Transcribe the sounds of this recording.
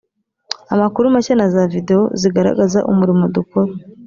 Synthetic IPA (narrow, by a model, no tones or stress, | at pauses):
amakuɾumacanazavide̞o̰ziɡaɾa̰ɡaza̰ʔṵmuɾimodukoɾo